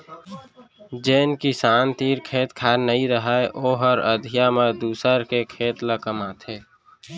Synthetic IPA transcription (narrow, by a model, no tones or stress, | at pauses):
d͡ʒeːnkisaːnt̪iːɾkʰeːt̪kʰaːɾnəĩɾəɦaːeʔoːɦəɾəd̪ʱijamed̪uːsəɾkekʰeːt̪ləkəmaːt̪ʰeː